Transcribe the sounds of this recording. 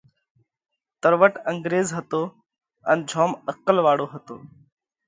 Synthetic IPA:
t̪əɾʋəʈə̃ŋɡɾeːzɦət̪oː | ənd͡ʒʱɔːməkːəlʋaːɽoːɦət̪o̰ː

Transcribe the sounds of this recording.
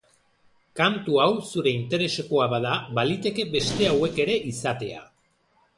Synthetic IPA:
kant̪uawsuɾe̞int̪e̞ɾe̞se̞ko̞aβaðaβalit̪e̞ke̞be̞st̪e̞awe̞ke̞ɾe̞ʔisat̪e̞a̰

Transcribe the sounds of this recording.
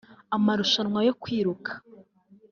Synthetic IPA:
amaɾuʃanŋwajo̞kwiːɾukʰḁ

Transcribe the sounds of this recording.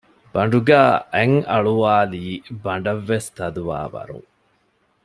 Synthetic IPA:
b̥ɐɳ̆ɖuɡæːʔeŋɐɭuʋaːliːbɐɳ̆ɖɐʋːest̪ɐd̪uʋa̰ːʋɐ̰ɾṵŋ

